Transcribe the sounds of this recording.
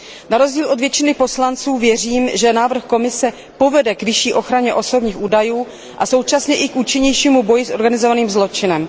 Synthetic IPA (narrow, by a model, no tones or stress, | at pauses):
naɾo̞zɟiːlʔo̞dvjɛt͡ʃɪnɪpo̞slant͡suːvjɛr̝iːmʒɛnaːvr̩xko̞mɪsɛ | po̞vɛdɛkvɪʃiːʔo̞xɾaɲɛʔo̞so̞bɲiːxʔuːdajuː | ʔaso̞wt͡ʃasɲɛʔɪkʔuːt͡ʃɪɲɛjʃiːmubo̞jɪsʔo̞ɾɡanɪzo̞vaniːmzlo̞t͡ʃɪnɛm